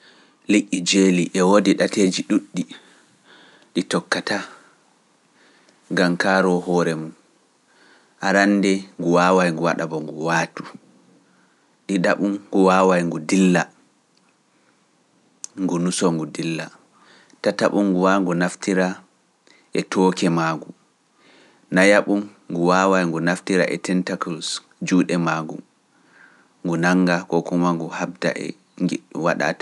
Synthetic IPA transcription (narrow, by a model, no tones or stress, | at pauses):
likːid͡ʒeliʔɛwodiɗateːd͡ʒiɗuɗːi | ɗitɔkːata | ŋɡamkaːɾɔhɔːɾɛmun | ʔaɾanːdɛŋɡuwaːwajŋɡuwaɗabɔŋɡuwaːtu̥ | ɗiɗaɓunɡuwawajŋɡudilːa | ŋɡunusɔŋɡudilːa | tataɓuŋɡuwaŋɡunaftiɾa | ʔɛtʰɔkɛmaːɡu | najaɓumː | ɡuwawajŋɡunaftiɾa̰ʔɛtɛntakɔls | d͡ʒuːɗɛmaɡṵ | ŋɡunaŋɡakɔkumaŋɡuhab̚da̰ʔɛ̰ | waɗa̰tḁ